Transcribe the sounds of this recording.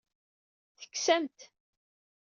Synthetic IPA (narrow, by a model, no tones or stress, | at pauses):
θə̥kːsæmt̪